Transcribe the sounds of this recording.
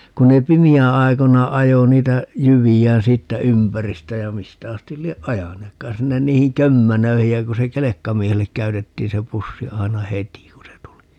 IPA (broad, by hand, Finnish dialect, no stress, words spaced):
kun ne pimiæ̃ː ɑi̯konɑ ɑjo niːtæ jyʋiæːn siːtːæ ympæristæ jɑ mistæ ɑstil lieʔ ʔɑjɑneːkːɑːn sinːen niːhiŋ kømːænøihij jɑ ku se kelekːɑmiehelːek kæytetːiːn se pusːi ɑi̯nɑ heti ku se tuli